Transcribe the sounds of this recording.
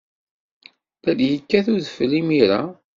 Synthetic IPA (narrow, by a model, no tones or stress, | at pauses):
θæljəkːæθuðəflːimiɾa